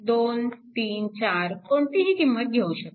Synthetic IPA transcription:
d̪ont̪iːnt͡ɕaɾkɔɳt̪iɦikimːət̪̚ɡʱeuʃe

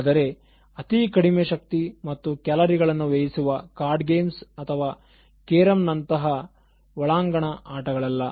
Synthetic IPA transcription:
d̪ɐɾe̞ | ɐt̪ikɐɽimeʃɐk̚t̪imɐt̪ːukɛlɐɾiɡɐɭɐnːuʋejisuʋɐkaːɾɖɡeːmsɐt̪ʰɐʋaː | keːɾɐmnɐnt̪ɐɦɐ | ʋɐɭaːŋɡɐɳɐʔaːʈɐɡɐɭɐlːɐ

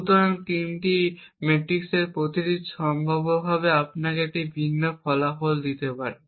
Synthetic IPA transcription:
ut̪oɾant̪imʈi | meʈɾikseɾpɾot̪iɾid̪ʃɔmbʱabobʱabeapnakeɛk̚ʈibʱinːofɔlafold̪it̪epaɾe

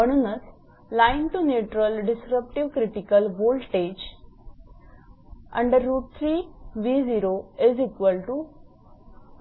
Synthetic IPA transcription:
əɽ̃unəs | lainʈuneʈɾəlɖisɾəp̚ʈiʋkɾipikəlʋolɖʈed͡ʒ | ɐ̰̃ɳɖəɾːuːʈ̚t̪ʰɾiːʋiːziɾoezikʋəlʈu

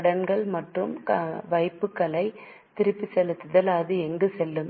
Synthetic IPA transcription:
ɐɽɐnɡɐɭmɐʈrɯmkɐʋɐɪpːɯkːɐlɐɪ | t̪ɪɾɯpːisɛlɯt̪ːɯðɐlaːðɯɛŋɡɯsɛlːɯm

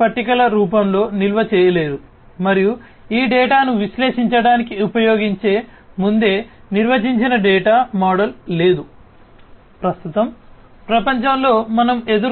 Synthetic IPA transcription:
pɐʈːikɐlɐɾuːpɐmlo̞ːnilʋɐt͡ʃɛːjɐle̞ːɾu | mɐɾiju | iːɖɛːʈaːnuʋiʃle̞ːʂiɲt͡ʃɐɽaːnikiupɐjo̞ːɡiɲt͡ʃe̞ː | mund̪e̞ː | niɾʋɐd͡ʒiɲt͡ʃinɐɖɛːʈaːmaːɽɐlːe̞ːd̪u | pɾɐst̪ut̪ɐm | pɾɐpɐɲt͡ʃɐmlo̞ːmɐnɐme̞d̪uɾ

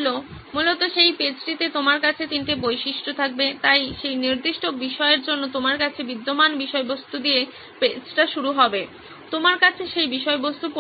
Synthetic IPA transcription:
lomulot̪oʃejped͡ʑʈit̪et̪omaɾkat͡ɕʰet̪inʈebojʃiʃʈʰot̪ʰak̚bet̪ajʃejniɾd̪iʃʈobiʃɔeɾd͡ʑonːot̪omaɾkat͡ɕʰebid̪ːomanbiʃɔebost̪ud̪ie | ped͡ʑʈaʃuɾuɦɔbe | t̪omaɾkat͡ɕʰeʃejbiʃɔebost̪upo

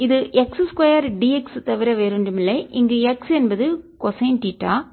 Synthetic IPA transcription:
ɪðɯʔɛksɨskɐjɐɾɖiɛkst̪ɐʋɪɾɐʋeːɾɯɳɖɯmɪlːɐʔɪŋɡeɛksɛnbɐðɯkɔsɐjnʈiːʈːaː

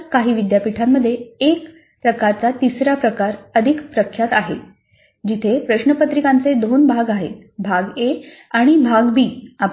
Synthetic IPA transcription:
kaɦiːʋid̪japiʈʰamːəd̪ʱːjeek | pɾəkaɾt͡sat̪isɾapɾəkaɾəd̪ʱikpɾəkʰjat̪aɦḛ | d͡ʑit̪ʰepɾəɕnəpət̪ɾikãnt͡sed̪onbʱaɡaɦḛt̪bʱaɡe | aɽ̃ibʱaɡbiːap

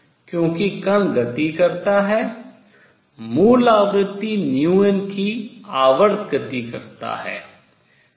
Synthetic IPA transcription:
kjõːkikənɡət̪ikəɾt̪aːɦɛː | muːlaːʋɾɪt̪ːiːnjuːenkʰiːaːʋəɾd̪ɡət̪iːkəɾt̪a̰ːɦɛ̰ː

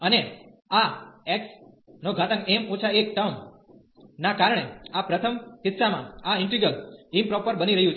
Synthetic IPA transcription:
əne | aɛks | noɡʱat̪əŋkemot͡ʃʰaek̚ʈəm | nakaɾəɳ̃eapɾət̪ʰəmkɪt̪ːsamã̰aɪ̃ɳʈɾiɡɾəlɪmpɾɔpəɾbəniɾəɦjũt͡ʃʰ

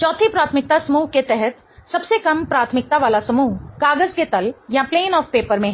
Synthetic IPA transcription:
t͡ʃɔːt̪ʰipɾaːt̪ʰmɪk̚t̪asɐmuːɦket̪ɛɦɛt̪ | sɐbsekɐmpɾaːt̪ʰmɪk̚t̪aʋaːlasɐmuːɦkaːɡəzket̪ɐljapleːnɔːfpeːpəɾmẽ

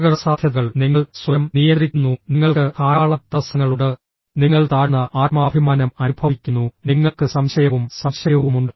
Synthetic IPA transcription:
ɣɐrɐsaːd̪ʱjɐðɣɐɭniŋːɐɭswɐjɐmnijɐnd̪rikʲːunːuniŋːɐɭkɨkaːɭɐt̪ɐsɐŋːɐɭuɽɨ | niŋːɐɭt̪aːɻnːɐʔaːt̪maːbʱimaːnɐmɐnubʱɐʋikʲːunːuniŋːɐɭkɨsɐmɕɐjɐʋumsɐmɕɐjɐʋumuɳɖɨ

